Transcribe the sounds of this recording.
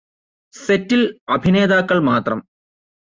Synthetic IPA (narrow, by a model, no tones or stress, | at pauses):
setːilɐbʱine̞ːd̪aːkːɐɭmaːt̪rɐm